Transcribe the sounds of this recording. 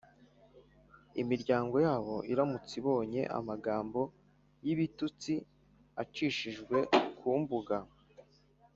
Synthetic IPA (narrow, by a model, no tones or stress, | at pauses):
imiɾɟaːŋɡo̞jaːβo̞ʔiɾamut͡siβo̞ːɲe̞̰ʔa̰maɡaːmbo̞ | jiβitut͡si | at͡ʃiʃiʒɡwe̞kʰuːmbuɡa